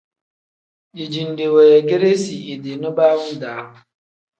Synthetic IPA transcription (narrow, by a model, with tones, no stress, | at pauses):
i˨d͡ʒi˨n̩˨de˨we˨ja˨ɡɪ˦ɾe˦si˨ʔi˨de˨nʊ˦ba˦mʊ˦daː˨˦ɦʊ˨